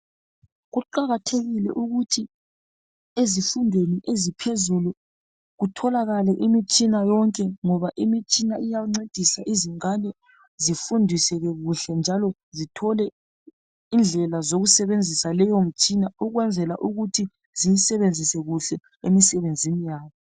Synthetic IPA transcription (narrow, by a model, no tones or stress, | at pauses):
ɣuǃaɣatʰeɣilɛ̰ʔuɣutʰi | ezifundʱweniʔezipʰezulu | ɣutʰɔlaɣalɛʔimit͡ʃʼinajɔŋkʼɛŋɔβaʔimit͡ʃʼinaijaŋ͡ǀed̥ʱisaʔiziŋanɛ | zifundʱisɛɣɛɣuɬɛnd͡ʒʱalɔ | zitʰɔlɛ | ind͡ɮʱɛlazoɣusɛβend͡zʱisalɛjom̩t͡ʃʼinauɣwɛnd͡zʱɛlaʔuɣutʰi | zijisɛβend͡zʱisɛɣuɬɛ | emisɛβend͡zʱinijaːβɔ